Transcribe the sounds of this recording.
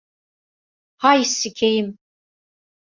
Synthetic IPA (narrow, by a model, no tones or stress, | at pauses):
hajsikʲʰejɪm